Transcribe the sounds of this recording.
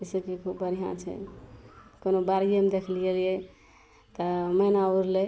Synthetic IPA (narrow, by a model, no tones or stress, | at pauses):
əsəbkekʰubbəɾiɦã̰t͡ʃʰɛ̰ | konobaɾijemd̪ekʰlelijɛ | t̪ɔmənauɾlɛ